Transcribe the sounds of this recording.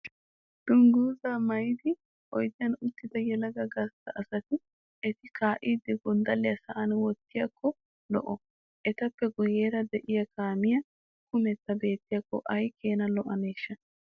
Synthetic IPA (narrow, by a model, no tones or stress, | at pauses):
d̪̥ʊŋɡuːzaːmɐjd̪ɪ | ʔɔjd̪ɪjɐnʊt̪ːɪd̪ɐjɛlɐɡɐɡɐst̪ːɐʔɐsɐt̪ɪ | ɛt̪ɪkaːʔiːd̪ɪɡɔnd̪ɐlːɪjɐsɐʔɐnwɔt̪ːɪjɐkːɔ | lɔ̰ʔɔ | ʔɛt̪ɐpːɛɡʊje̞ːɾɐd̪ɛʔɪjɐkaːmɪjɐ | kʊmɛt̪ːɐbe̞ːt̪ːɪjɐkːɔ̰ʔɐjke̞ːnɐlɔʔɐneːʃːɐ